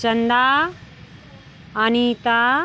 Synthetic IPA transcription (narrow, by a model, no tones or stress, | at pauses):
t͡ʃɐnd̪aː | anit̪aː